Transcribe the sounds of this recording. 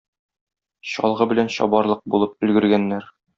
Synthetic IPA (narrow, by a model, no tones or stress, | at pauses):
ɕɒlˠʁɤbɘ̆lænɕɒ̰bɑɾlˠɤq̚bulˠɤp̚ɵ̆lɡɵ̆ɾɡænːæɾ